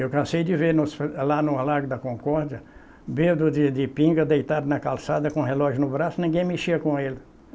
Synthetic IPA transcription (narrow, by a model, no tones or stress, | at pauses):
ewkɐ̃sejd̪ɪveɾnʊslanʊlaɾɡʊd̪ɐkõŋkɔɾd̪jɐ | bed̪ʊd̪ɪd̪ɪpĩɡɐd̪ejt̪ad̪ɐnɐkalsad̪ɐkõɦelɔʒʊnʊbɾasʊnĩɡẽj̃meʃiɐkõelɪ